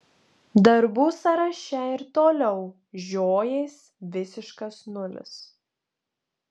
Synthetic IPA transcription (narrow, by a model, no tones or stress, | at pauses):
d̪ɐɾbuːsɐɾɐʃʲɛɪɾt̪oːlʲɛʊ | ʒʲoːjɛɪs | ʋʲɪsʲɪʃkɐsnʊlʲɪ̰s